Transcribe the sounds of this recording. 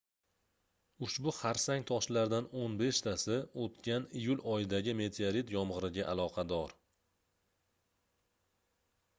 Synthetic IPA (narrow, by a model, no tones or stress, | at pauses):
ʊʃbʊχaɾsaŋt̪ʰɒʃlaɾd̪anonbe̞ʃt̪ʰasɪot̪kʲanijʊlɒjɪd̪aɡʲɪme̞t̪ʰeaɾit̪jɒmʁɨɾɪɡʲaʔalˠɒqʰɑd̪ɒɾ